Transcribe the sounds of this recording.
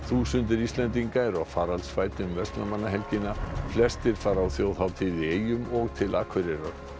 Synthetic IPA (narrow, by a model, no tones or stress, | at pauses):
θuːsʏnt̪ɪɾist̪lɛnt̪̬iŋkaɛɾawfaːɾalsfaːjt̪ʏmvɛst̪lamanːaɦɛlcɪnːaflɛst̪ɪɾ̥faːɾawθjoːwθawt̪ʰɪleːjʏmɔɣt̪ʰɪlaːkʰvʏɾɪɾa